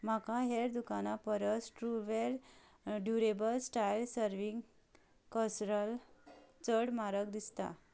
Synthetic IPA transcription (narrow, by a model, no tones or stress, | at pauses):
m̤akãɦeɾd̪ukanapəɾəsʈɾuʋel | ɖjuɾebəlsʈailsəɾʋiŋɡ | kəsɾəlt͡səɽmaɾəkd̪ist̪a̰